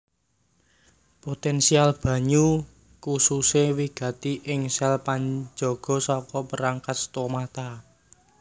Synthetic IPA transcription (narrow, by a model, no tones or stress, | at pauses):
pot̪ɛnsialb̥ä̤ɲu | kususewiɡ̥ä̤t̪iʔɪŋsɛlpaɲd͡ʒɔɡ̥ɔ̤sɔkɔpəɾaŋkat̪̚st̪omat̪a